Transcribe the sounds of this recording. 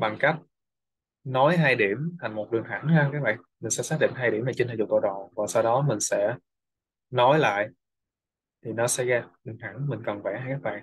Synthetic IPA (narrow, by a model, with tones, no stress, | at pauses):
ɓa˨˩ŋka˦˥k̚ | nɔ˨˦jɦaː˧jɗi˧˩əmt̪ʰa˨˩ŋ̟mo˨˩t̚ɗɨ˨˩əŋɦa˧˩nha˧kaː˨˦˥ɓa̰ː˧˨nmï˨˩ŋ̟sɛ̰˧˥saː˦˥ɗḭ˧˨ŋ̟ɦaː˧jɗi˧˩əmnaː˨˩t͡ɕe˧t̪ʰaː˨˩zʊ˨˩ko˧˩ɗɔ̰˨˩vaː˨˩sa˧wɗɔ˨˦mï˨˩ŋ̟sɛ̰˧˥ | nɔ˨˦jla̰ː˧˨jʔ | t̪ʰi˨˩nɔ˨˦sɛ˧˥ɣaː˧˩ɗɨ˨˩əŋha˧˩nmï˨˩ŋ̟kə˨˩nvɛː˧˩haː˧jkaː˦˥k̚ɓa̰ː˧˨ŋ